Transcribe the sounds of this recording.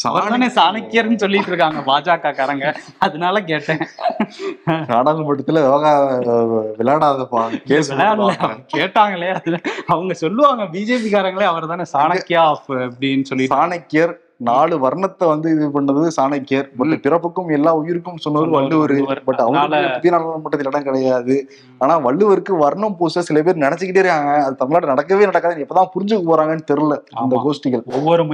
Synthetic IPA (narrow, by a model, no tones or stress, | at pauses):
sa̰ɐɾɐt̪aːneːsaːnɐkːɪjɐɾnːɯsɔlːɪʈːɾɯkːaːŋɡɐbaːd͡ʒaːkaːkaːɾɐŋɡɐ | ɐðɐnaːlɐk̬eːʈːẽː | naːɽaːlɯmɐʈːɐt̪ːɪlɐɐɣaː | ʋɪlaːɽaːðɐpːaːkeːsɪlɐjaːɽɐɐɐkeːʈːaːŋɡɐɭeːɐɯnːɐʋɐŋɡɐsɔlːɯʋaːŋɡɐbiːd͡ʒeːpikaːɾɐŋɡɐɭeːɐʋɐɾɐt̪aːneːsaːnɐkːɪjaːfɐpɐɽinːɯsɔlːɪsaːnɐkːɪjɐɾ | naːɭɯʋɐɾɐɳɐt̪ːɐʋɐnd̪ɯɪðɯpɐɳːɾɐðɯsaːnɐkːjɐɾpɐʈːɯpɪɾɐpːɯkːɯmɛlːaːʊjɪɾɯkːɯmːsɔnːɐʋɐɾɯʋɐɭːɯʋɐɾɯpɐʈːɐʋɐɡɐpʊðijnaːlnɐmuːʈːɐt̪ːɪlɐɪɽɐ̃mkɪɽɐjaːðɯ | aːnaːʋɐɭːɯʋɐɾɯkːɯʋɐɾɳɐmpoːsɐsɪlɐpeːɾɯnɪɽɛt͡ʃːɯkːɪʈːeːɪɾɯkaːŋɡɐːðɯt̪ɐmːɪnlaːɽɯnɐɽɐkːɐʋeːnɐɽɐkːaːðɐnɛpːoːt̪ãːpʊɾɪɲd͡ʒɯkːɯpoːɾaːŋɡɐnːɯt̪ɛɾɯlːɐɪnd̪ɐɡoːsʈɯɣɐɭɔʋːɔɾɯmʊ